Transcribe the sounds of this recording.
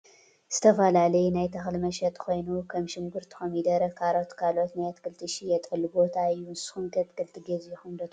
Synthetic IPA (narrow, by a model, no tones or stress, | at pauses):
z̥ɨt̪ʰɐfɐlalɐjnajt̪ʰɐxlmɐʃɐt̪ʼkʰo̞jnukʰɐmʃɪŋɡɨɾt̪ʰɨ̥xomid̪ɐɾɐkʰaɾo̞t̪kʰalo̞t̪najat̪kʰɨlt̪ʰɨʃijɛt̪ʼɐlɨbo̞t̪ʰaɨjːunsxunkʰʼɐt̪kʰɨlt̪ʰɨɡɐzjɛxund̪ɐt̪